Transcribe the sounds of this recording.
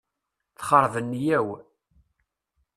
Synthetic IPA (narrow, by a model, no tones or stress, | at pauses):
θχəɾˤvənːjæw